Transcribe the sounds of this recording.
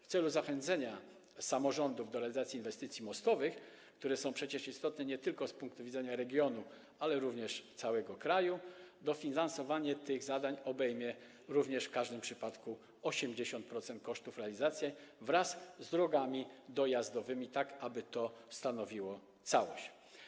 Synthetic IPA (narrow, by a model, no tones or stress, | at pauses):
ft̪sɛluzaxɛnd̪zɛɲa | samɔʐɔnd̪uvd̪ɔɾɛalʲizat̪sʲjiːnvɛst̪ɘt̪sʲimɔst̪ɔvɘx | kt̪uɾɛsɔ̃w̃pʂɛt͡ɕɛʂist̪ɔt̪nɛɲɛt̪ɘlkɔspuŋk̚t̪uvʲidzɛɲaɾɛɡʲjɔnu | alɛɾuvɲɛʂt̪sawɛɡɔkɾajud̪ɔfʲinansɔvaɲɛt̪ɘɣzad̪aɲɔbɛjmʲjɛ | ɾuvɲɛʂfkaʐd̪ɘmpʂɘpat̪ku | ɔɕɛmd͡ʑeɕɔnt̪̚pɾɔt̪sɛnt̪̚kɔʂt̪ufɾɛalʲizat̪sʲjɛvɾaszːd̪ɾɔɡamʲid̪ɔjazd̪ɔvɘmʲit̪akabɘt̪ɔst̪anɔvʲiwɔ | t̪sawɔɕt͡ɕ